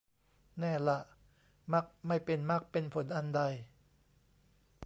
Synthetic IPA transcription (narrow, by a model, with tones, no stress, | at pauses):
nɛː˥˩la˨˩ʔ | ma˦˥˩k̚ma˥˩jpe˧nma˦˥˩k̚pe˧npʰo˨˩˦nʔa˧nda˧j